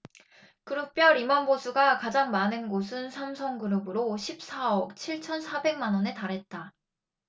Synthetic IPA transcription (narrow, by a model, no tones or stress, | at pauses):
kɯɾɯk̚p͈jʌɾimʌnbosʰuɡakad͡ʑaŋmanɯnɡosʰɯnsʰamsʰʌŋɡɯɾɯbɯɾoɕʰip̚s͈ʰaʌk̚t͡ɕʰiɭt͡ɕʰʌnsʰabe̞ŋmanʌne̞taɾɦe̞t̚t͈a